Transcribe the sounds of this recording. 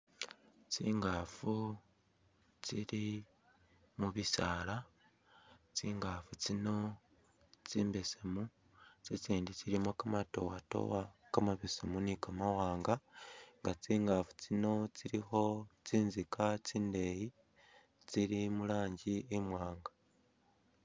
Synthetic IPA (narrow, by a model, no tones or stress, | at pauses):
t͡siːŋɡafu | t͡siɾi | muβisaːla | t͡siːŋɡafut͡sino̞ | t͡siːmbe̞semu | t͡set͡siːndit͡siɾimokamato̞wato̰wakamaβesemunikamawaːŋɡaŋɡat͡siːŋɡafu̥t͡sino̞t͡siɾixo̞t͡siːnzikat͡siːnde̞ji | t͡siɾimulaːɲɟiemwaːŋɡḁ